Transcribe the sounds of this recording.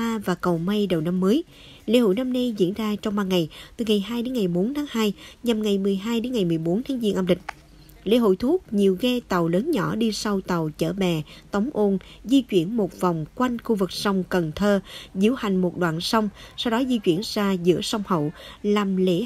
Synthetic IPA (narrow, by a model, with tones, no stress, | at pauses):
aː˧vaː˨˩kə˨˩wma˧jɗə˨˩wna˧mːəː˨˦j | lḛ˧˥ho̰˧˨jna˧mna˧jzḭ˧˥ənzaː˧t͡ɕɔ˧ŋ͡mɓaː˧ŋa˨˩jt̪ɨ˨˩ŋa˨˩jɦaː˧jɗe˨˦nŋa˨˩jɓo˨˦nt̪ʰaː˨˦ŋhaː˧jɲa˨˩mŋa˨˩jmɨ˨˩əjɦaː˧jɗe˨˦nŋa˨˩jmɨ˨˩əjɓo˨˦nt̪ʰaː˨˦ŋzi˧əŋʔaː˧mlï̟˨˩ | lḛ˧˥˦ɦo̰˧˨jt̪ʰu˦˥ək̚ɲi˨˩əwɣɛ˧t̪a˨˩wləː˨˦nɲɔ̰˧˩˥ɗi˧sa˧wt̪ə˨˩wt͡ɕə̰ː˧˩ɓɛ˨˩t̪ə˨˦wŋ͡mʔo˧n | zi˧t͡ɕwi˧˩ənmo˨˩t̚va˨˩wŋ͡mkwa˧jŋ̟xu˧vɨ˨˩k̚sə˧wŋ͡mkə˨˩nt̪ʰəː˧zḭ˧˥əwha˨˩jŋ̟mo˨˩t̚ɗwa̰ː˧˨nsa˧wŋ͡msa˧wɗɔ˨˦zi˧t͡ɕwḭ˧˩ənzaː˧zɨ̰˧˥əsa˧wŋ͡mhə̰˧˨wlaː˨˩mlḛ˧˥